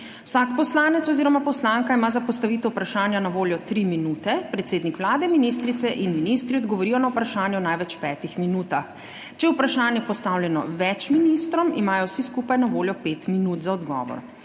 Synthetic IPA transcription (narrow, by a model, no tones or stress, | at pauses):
wsakpɔslaːnɛt̪ɔziːɾɔmapɔslaŋkaimaːzapɔst̪aʋit̪ɔupɾaʃaːnjanaʋoːljɔt̪ɾiminuːt̪ɛpɾɛt̪seːd̪nikʋlaːd̪ɛminis̬t̪ɾit̪sɛʔinminist̪ɾiɔd̪ɡɔʋɔɾiːjɔnawpɾaʃaːnjɛɔnajʋɛt͡ʃpɛːt̪ixminuːt̪ax | t͡ʃɛjɛupɾaʃaːnjɛpɔst̪awljɛnɔ̰ʋɛt͡ʃminist̪ɾɔmimaːjɔwsiskuːpajnaʋoːljɔpeːt̪minuːt̪zaɔd̪ɡɔ̰ːʋɔ̰ɾ